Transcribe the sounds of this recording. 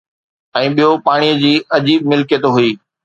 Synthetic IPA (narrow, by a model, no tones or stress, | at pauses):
ɛ̃ːɓijopaːɽ̃ijəd͡ʑiːɐd͡ʑiːb̚mɪlkjət̪oɦʊiː